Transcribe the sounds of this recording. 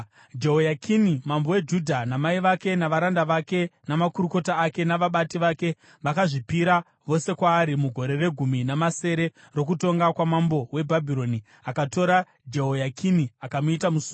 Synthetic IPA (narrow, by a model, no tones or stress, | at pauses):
d͡ʒeɦojakʰinimambo̞we̞d͡ʒudʱanamaiʋake̞naʋaɾandaʋake̞namakuɾuko̞taːke̞naʋaɓatiʋake̞ | ʋakaʐipiɾa | ʋo̞se̞kwaːɾimuɡʱo̞ɾe̞re̞ɡʱuminamase̞ɾe̞ | ro̞k̬uto̞ŋɡakwamambo̞we̞bʱabʱiɾo̞ni | akato̞ɾa | d͡ʒeɦojakʰiniakamuitamusu